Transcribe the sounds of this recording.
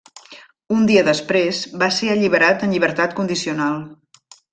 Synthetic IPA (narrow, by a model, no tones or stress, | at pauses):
und̪iəðəspɾezβaseəʎiβəɾat̪ənʎiβ̞əɾt̪at̪̚kund̪isiunalˠ